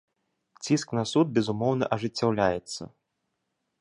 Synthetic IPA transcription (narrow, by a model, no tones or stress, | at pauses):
t͡sʲisknɐsud̪̚bʲɛzumɔwnɐʔɐʐɨt͡sʲːawlʲajɛt̪sːɐ̰